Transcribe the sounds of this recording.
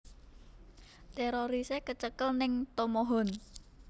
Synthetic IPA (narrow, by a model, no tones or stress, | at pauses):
t̪eɾoɾisekət͡ʃəkəlnɪŋt̪omoɦɔn